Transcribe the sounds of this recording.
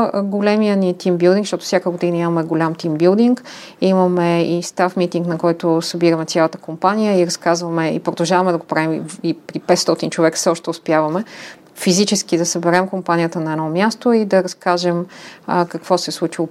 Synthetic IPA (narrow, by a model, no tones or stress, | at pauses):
ɡolɛmijənit̪imbilˠd̪iŋkʃt̪ɔt̪ʊ̥sʲjakəɡod̪inəimɐmɛɡolʲamt̪imbilˠd̪iŋk | imɐmɛist̪afmit̪iŋknɐkɔjt̪osɐbiɾɐmɛt̪sʲjalˠət̪ə̥kompanijəiɾɐskazvɐmɛḭpɾod̪ɐlˠʒavɐmɛd̪ɐɡopɾavimipɾipɛt̪st̪ɔt̪int͡ʃovɛksɛɔʃt̪ɛʊspjavɐmɛ | fizit͡ʃɛsk̟id̪ɐsəbɛɾɛmkompanijət̪ənɐɛd̪ɔmʲjast̪oid̪ɐɾɐskaʒɛməkəkvɔsɛslˠut͡ʃilˠo